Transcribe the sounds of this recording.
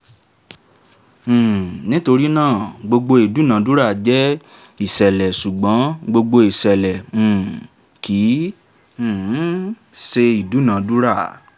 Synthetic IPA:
nĩ˦to˧ɾi˦nãː˦˨ɡ͡bo˧ɡ͡bo˧i˨du˨˦nã˨˦du˦ɾa˦˨d͡ʒɛ˦ | i˦˨sɛ˨lɛ˨su˨ɡ͡bɔ̃˨˦ɡ͡bo˧ɡ͡bo˧i˨sɛ˨lɛ̃˨ | kĩ˨˦˨ | se˧i˨du˨˦nã˨˦du˦ɾa˦˨

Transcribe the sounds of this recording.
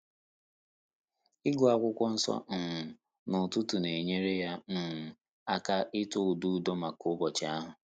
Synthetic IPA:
ɪ˦ɡʊ˨a˦kʷʊ˦kʷɔ˦n̩˦sɔ̰˦n̩˨ | nʊ˨tu˦tu˨ne˨ɲe˦ɾe˦ja˦n̩˨ | a˦ka˦ʔɪ˦tʊ˦u˨du˦˨dɔ˦ma˨kʊ˦bɔ˨t͡ʃɪ˨˦a˦ɦʊ˨

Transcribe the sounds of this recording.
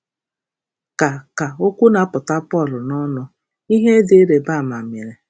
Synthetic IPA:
ka˨ka˨o˦kʷu˦na˨˦pʊ˨ta˦pɔ˦˨lʊ˨nɔ˦nɔ˦ | i˦ɦe˦dɪ˨e˦ɾe˨ba˦˨ma˨mje˨ɾe˨

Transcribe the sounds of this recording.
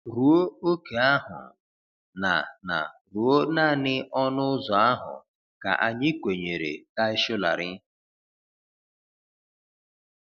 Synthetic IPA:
ɾu˨o˦o˦ke˨a˦ɦʊ̰˨ | na̰˨na̰˨ɾu˨o˦na˦˨nɪ˦ɔ˦nʊ˦zɔ˨a˦ɦʊ̰˨ | ka̰˨ʔa˨ɲɪ˦kʷe˨ɲe˨ɾḛ˨ta˦ɪ˦ʃʊ˦la̰˨ɾɪ˦

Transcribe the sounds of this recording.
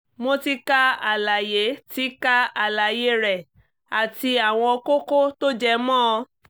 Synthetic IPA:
mo˧˦ti˧ka˦a˨la˨je˨˦ti˨˦ka˦a˨la˨je˦ɾɛ˨ | a˨ti˧a˨w̃ɔ̃˧ko˦ko˦to˦d͡ʒɛ˧mɔ̃˦ɔ˧

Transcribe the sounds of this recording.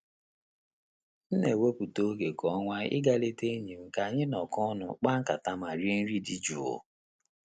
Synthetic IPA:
n̩˦ne˨we˦pu˨to˦ɡe˨kɔ˨˦ŋʷa˦ɪ̰˦ɡa˦le˦te˦ɲi˨m̩˨ka˨ɲɪ˦nɔ˨kʊ˦nʊ̰˨k͡pa˦ŋ̩˦ka˨ta˦ma˨ɾi˦n̩˦ɾi˦di˦d͡ʒu˨o̰˦

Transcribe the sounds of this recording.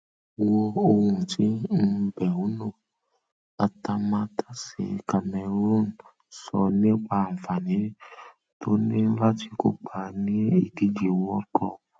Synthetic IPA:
wɔ˧o˧hũ˨tʰi˨˦˧bɛ˨u˨˦nõ˦˨ | a˧ta˧mã˧˦tʰḁ˦sḛ˨ka˧mɛ˧ɾo˦˨n̩˨ | sɔ̰˧nĩ˦k͡pa˧˨fa˨nĩ˨˦ | to˦nĩ˦n̩˦la˦ti̥˧˦ko˦k͡pʰa˧˦nĩ˦i˦˨di˨˦d͡ʒi˨˦wɔ˦kɔ˧˨

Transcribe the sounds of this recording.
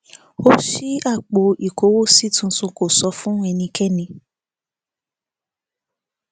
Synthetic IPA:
o˦ʃi˦a˦˨k͡po˧i˨ko˨˦wo˦si˦tũ˧tũ˧ko˨sɔ˧fũ˦ɛ˧nĩ˧kʰɛ˦˨nĩ˧

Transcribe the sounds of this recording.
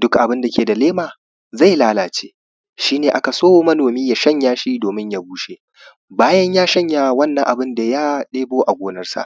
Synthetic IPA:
dʊ˦kʔa˨bɪ˦nda˨kʲeː˨da˨leː˦maː˨ | za˦˨jlaː˦laː˨t͡ʃḛː˦ | ʃiː˦neː˨ʔa˦ka˨soː˦wo˦mɐ˦noː˨miː˦ja˦ʃɐ˦ɲjaː˦ʃiː˦doː˨mɪ˦ɲja˦buː˦ʃeː˦ | baː˦jɐ˦ɲjaː˦ʃɐ˦ɲjaː˦wɐ˦nːɐ˨ŋʔa˨bɪ˦nda˨jaː˦ɗeː˦boː˦ʔa˨ɡʷoː˦nɐ˦rsa̰˨ʔ

